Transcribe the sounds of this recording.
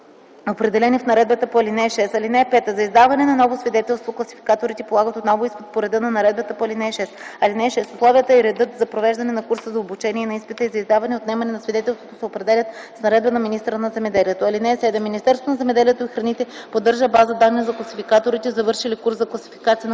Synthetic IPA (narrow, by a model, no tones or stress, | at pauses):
opɾɛd̪ɛlɛnifnɐɾɛd̪bət̪əpoɐlinɛʃɛst̪ɐlinɛpɛt̪əzɐizd̪avɐnɛnɐnɔvosvid̪ɛt̪ɛlˠst̪voklˠɐsifi̥kat̪oɾit̪ɛpolˠaɡət̪ot̪nɔvʊispot̪̚poɾɛd̪ɤnɐnɐɾɛd̪̚bət̪əpoɐlinɛʃɛst̪ɐlinɛʃɛsʊslˠɔvijət̪əɛɾɛd̪ɤt̪zɐpɾovɛʒd̪ɐnɛnɐkuɾsəzɐobut͡ʃɛniɛnɐispit̪əizɐizd̪avɐnɛot̪nɛmɐnɛnɐsvid̪ɛt̪ɛlˠst̪vot̪osɛopɾɛd̪ɛlʲət̪̚snɐɾɛd̪bənɐminist̪əɾənɐzɛmɛd̪ɛliɛt̪oɐlinɛsɛd̪ɛmːinist̪ɛɾst̪vonɐzɛmɛd̪ɛliɛt̪oixɾɐnit̪ɛpod̪ːɤɾʒəbazəd̪anːiəzɐklˠɐsifikat̪oɾit̪ɛzɐvɤɾʃilikuɾszɐklˠɐsi̥fi̥kat̪ijən